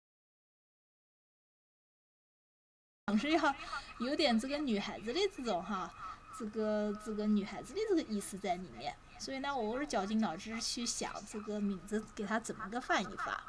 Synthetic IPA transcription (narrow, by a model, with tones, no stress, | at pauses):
tɑ˨˩ŋʂɻ̩˥˧˥ɑ˥˩jo˧˥ʊt̪jɛ˨˩nt͡sɤ˥˩ɡə˩ny˨˩xa˧˥ɪd͡zɹ̩˧li˥˧t͡sɹ̩ɤ˥˩ʈ͡ʂʊ˨˩˦ŋxa˧ʈ͡ʂɤ˥˩ɡə˩t͡s̩˥˩ɡə˩ny˨˩xa˧˥ɪd͡zɹ̩˧li˥˩t͡sə˥˩ə˩i˥˧sɹ̩˧t͡sa˥˩ɪlḭ˨˩mjɛ̰˥˩n | swɔ˧˥i˨˩na˥˩wɔ˨˩o˧˥˩ʂɻ̩˥˩t͡ɕjɑ˨˩ʊt͡ɕi˥˩ŋnɑ˨˩ʊʈ͡ʂɻ̩˥˧t͡ɕʰy˥˩ɕjɑ̰˨˩˦ŋʈ͡ʂɤ˥˩ɡə˩mi˨˩ŋd͡zɹ̩˧˥ke˨˩ɪt̪ʰa˥t͡sə˨˩nmə˧˥ɡə˥˧fa˥˧nḭ˧˩fa̰˨˩˦